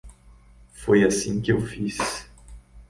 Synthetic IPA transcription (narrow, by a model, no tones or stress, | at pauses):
fojasĩkɪewfis